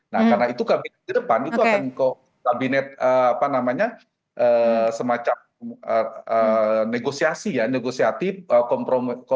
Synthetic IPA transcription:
na̰hkarnait̪ukabinɛt̪̚dədəpanit̪uakanko | kabinɛt̪̚əapanamaɲa | ʔəsəmat͡ʃam | əəneɡosiasijaneɡosiat̪ɪfəkɔmpɾok

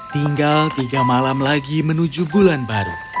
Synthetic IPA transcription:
t̪iŋɡalt̪iɡamalamlaɡimənud͡ʒubulanbaɾṵ

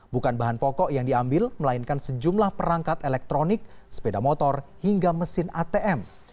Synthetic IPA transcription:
bukanbaɦanpɔkɔʔjaŋdiambɪlməlaɪnkansəd͡ʒumlahpəɾaŋkat̪elɛk̚t̪ɾonɪk̚sə̥pedamɔt̪ɔrhiŋɡaməsɪnat̪eʔɛm

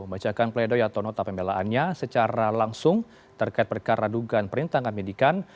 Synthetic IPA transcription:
bat͡ʃakanpledojat̪awnɔt̪apəmbelaʔanɲasət͡ʃaɾalaŋsʊŋ | t̪ərkaɪt̪̚pərkaɾaduɡanpəɾint̪aŋamedikan

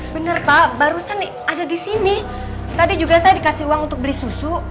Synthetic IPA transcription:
bənərpabaɾusan | adadisini | t̪adid͡ʒuɡasajadikasiuwaŋunt̪ʊk̚bəlisusu

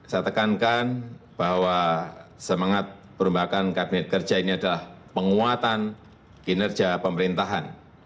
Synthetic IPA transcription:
sat̪əkankanb̥aɦwasəmaŋat̪̚pəɾumbakankabinɛt̪̚kər̥d͡ʒainiadalahpəŋuat̪an | ɡinərd͡ʒapəməɾint̪aɦan

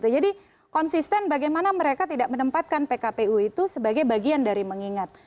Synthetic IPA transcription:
t̪ud͡ʒadi | kɔnsist̪ɛnbaɡajmanaməɾekat̪idaʔ̚mənəmpat̪̚kanpekapeuit̪usəbaɡajbaɡiandaɾiməŋiŋat̪̚

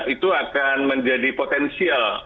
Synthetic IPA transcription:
it̪uakanməɲd͡ʒadipot̪ɛnsial

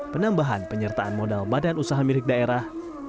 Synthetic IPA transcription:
pənambaɦanpəɲərt̪aanmodalbadanusaɦamilɪk̚daeɾah

